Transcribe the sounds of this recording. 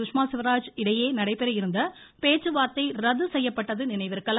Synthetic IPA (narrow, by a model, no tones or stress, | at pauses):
ʊʂmaːsɪʋɐɾaːd͡ʒɪɽɐjeːnɐɽɐɪpɛɾɐjɪɾɯnd̪ɐ | peːt͡ʃːɯʋaːɾt̪ɐɪɾɐðɯsɛjːɐpːɐʈːɐðɯnɪnɐɪʋɪɾɣɐɭ